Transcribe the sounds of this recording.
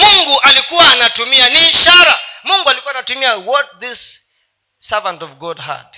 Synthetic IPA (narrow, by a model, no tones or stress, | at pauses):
muŋɡuʔalikuwaːnatumianiːʃaɾamuŋɡualikuwanatumiawɔt̚ðisː | avantɔvɡɔdha̰t